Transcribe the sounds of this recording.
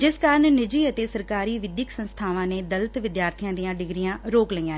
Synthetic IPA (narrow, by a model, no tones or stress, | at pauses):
d͡ʒɪskaːɾənnɪd͡ʒiːət̪eːsəɾkaːɾiːʋɪd̪jəksənst̪ʰaːʋãːneːd̪ələt̪ʋɪd̪jaːɾt̪ʰijãːd̪ijãːɖɪɡɾɪjãːɾoːkləiːãː